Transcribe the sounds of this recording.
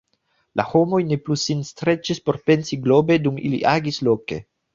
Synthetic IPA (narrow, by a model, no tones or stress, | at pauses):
la̰ho̞mo̞jne̞plusinstɾe̞t͡ʃispo̞ɾpe̞nsiɡlo̞be̞dumilḭʔaɡislo̞ke̞